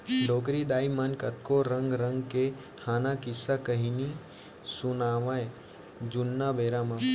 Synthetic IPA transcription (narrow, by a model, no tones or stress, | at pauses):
loːkɾid̪aːimɐnkət̪koɾə̃ŋɡɾə̃ŋɡke | haːnakɪsakəɦini | sʊnaːʋae | d͡ʒunːabeːɾama